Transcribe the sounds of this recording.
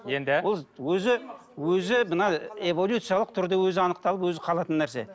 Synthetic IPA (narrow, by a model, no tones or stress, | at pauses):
jend̪ɪwo̞lˠwɵzɪ | wɵzɪbənɑevo̞lʲjut̪sijalˠəq̚t̪ʰʊɾd̪ewɵzɪɑnəq̚t̪ɑlˠəpwɵzɪqʰɑlˠɑt̪ənːæɾse̞̰